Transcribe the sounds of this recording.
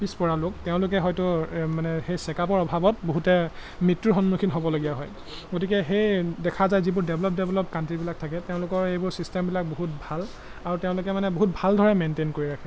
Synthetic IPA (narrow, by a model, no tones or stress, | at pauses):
pispɔɹalʊk̚teʊ̃lʊkɛɦɔjtʊmanɛxejsɛkapɔɹɔbʱabɔtboɦutɛmɹitɹuɹxɔnmukʰinɦobɔloɡiaɦɔj | ɡotikɛxejdɛkʰazajzibʊɹdɛblɔp̚dɛblɔpkantɹibilak̚tʰakɛteʊ̃lʊkɔɹejbʊɹsistɛmbilak̚boɦut̚bʱal | aɹutɛʊ̃lʊkɛmanɛboɦut̚bʱaldʱɔɹɛmentenkoɹiɹakʰɛ